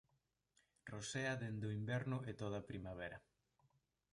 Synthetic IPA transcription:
roseɐðend̪oimbɛɾnʊʔet̪oð̞ɐpɾimaβ̞ɛɾɐ

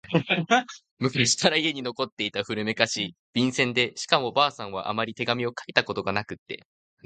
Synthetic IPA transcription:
mɯ̟kɯɯɕi̥kaɾaie̞ɲ̟ino̞ko̞t̪ːe̞it̪aɸɯ̟ɾɯ̟me̞kaɕib̥ʲĩɰ̃sẽ̞nd̪e̞ɕi̥kamo̞ːbaːsãɰ̃βa̰ʔa̰maɾʲit̪e̞ɡamʲio̞kʰait̪ako̞t̪o̞ɡanakɯ̟t̪ːe̞̰

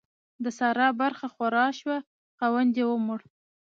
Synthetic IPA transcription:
d̪əsɑɾɑbaɾxaxaɾɑʃwa | xɑwand̪jewəmʊɽ

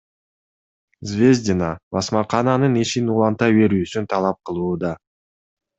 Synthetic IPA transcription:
zvʲe̞zʲdʲɪnabɑsmɑqʰɑnɑnɯniʃinulˠɑnt̪ɑjbe̞ɾyːsynt̪ʰɑlˠɑp̚qʰɯlˠuːd̪ɑ

